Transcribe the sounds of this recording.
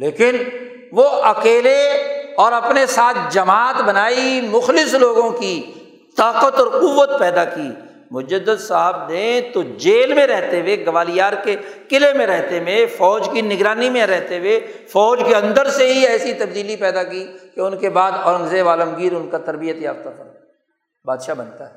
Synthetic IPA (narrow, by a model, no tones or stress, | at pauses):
leːkɪn | ʋoʔɐkeːleɔːɾɐpnesaːt̪ʰd͡ʒɐmaːt̪ʰbɐnaːimʊxlɪsloːɡõki | t̪aːqət̪ɔːɾqʊʋːət̪̚pɛːd̪akiː | mʊd͡ʒəd̪əd̪saɦəb̚d̪ẽt̪od͡ʒeːlmẽɾɛɦt̪eʋeɡɐʋaːlijaːɾkekɪlemẽɾɛɦt̪ewẽfɔːd͡ʒkinɪɡɾaːnimẽɾɛɦt̪ewefɔːd͡ʒkeɐ̃nd̪əɾseɦiɛːsit̪ɐbd̪iːlipɛːd̪akikeʊnkebaːd̪ɔːɾə̃ŋzeʋaːləmɡiːɾʊnkat̪ɐɾbijət̪ja̰ːft̪ak̪ʰa | baːd̪ʃabɐnt̪aɦɛː